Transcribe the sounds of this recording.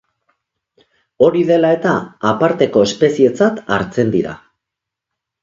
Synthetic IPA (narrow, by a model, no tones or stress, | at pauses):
o̞ɾiðe̞lae̞t̪aːpaɾt̪e̞ko̞espe̞sie̞t͡sat̪a̰ɾt͡se̞nd̪iɾa̰